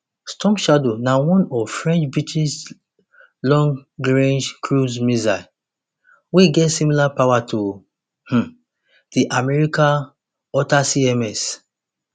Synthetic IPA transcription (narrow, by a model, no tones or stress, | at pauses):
stʰɔ̃mʃadonawɔ̃nɔfɹɛ̃nt͡ʃbit͡ʃis | lɔ̃ŋɡɹẽnd͡ʒkʰɹuzmiza | weɡɛtsimilapawatʰu | h̩ | d̥iʔamɛɹikã | ɔtasiɛmɛs